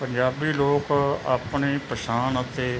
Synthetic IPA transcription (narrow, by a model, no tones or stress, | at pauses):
pəɲd͡ʒaːbiːloːka̰ːpɳeːpəʃaːnət̪eː